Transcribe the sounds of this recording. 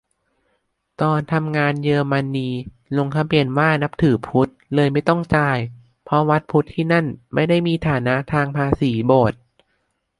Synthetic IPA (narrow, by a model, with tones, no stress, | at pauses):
t̪ɔː˧nt̪ʰa˧mŋaː˧njɤː˧ma˧nːiː˧ | lo˧ŋk̪ʰa˧˥mpi˧ənwaː˥˩na˦˥p̚t̪ʰɯː˩˦pʰu˦˥t̪̚lɤː˧jma˥˩jt̪ɔ˥˩ŋt͡ɕaː˧j | pʰɔ˦˥wa˦˥t̪̚pʰu˦˥t̪ʰːiː˥˩na˥˩nma˥˩jda˥˩jmiː˧t̪ʰaː˩˦na˦˥ʔt̪ʰaː˧ŋpʰaː˧siː˩˦boː˨˩t̪̚